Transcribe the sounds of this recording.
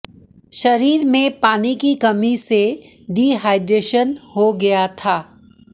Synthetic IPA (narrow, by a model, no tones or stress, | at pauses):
ʃɐɾiːɾmẽpaːnikikɐmise | ɖiːɦaːɪɖɾeːʃənhoɡɐjat̪ʰaː